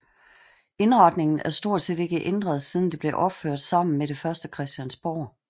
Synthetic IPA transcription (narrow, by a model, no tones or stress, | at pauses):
e̝nʁɑ̈d̥ne̝ŋn̩æɐsd̥o̝ɐ̰d̥se̝d̥e̝ɡ̥əʔend̥ʁɐð̞ˠsiːð̞ˠn̩d̥e̝b̥le̝ʔɒ̽b̥føɐ̰d̥sɑ̈m̰n̩meɾ̥e̝fɶɐsd̥əkʰʁɛsd̥jænsb̥ɒ